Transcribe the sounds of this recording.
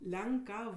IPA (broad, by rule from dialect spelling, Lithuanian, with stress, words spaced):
ˈlʲɛŋˌkɐw